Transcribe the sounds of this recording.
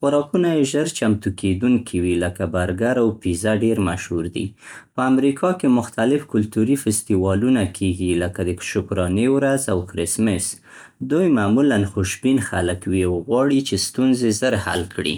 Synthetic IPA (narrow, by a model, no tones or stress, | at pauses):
xʊɾɑkunajeʒəɾt͡ʃamt̪ukʰed̪uŋkʰiwiləkabaɾɡaɾawpizaɖeɾmaʃhuɾd̪ḭpəamɾikʰɑkemʊxt̪alɪfkʊlt̪uɾifɪst̪iwɑlunakʰeɡiləkad̪əʃʊkɾɑnewɾazawkɾɪsmɪs | d̪ujmamulanxʊʃbinxaləkwiawɣwɑɽit͡ʃest̪unzezəɾha̰lkɽḭ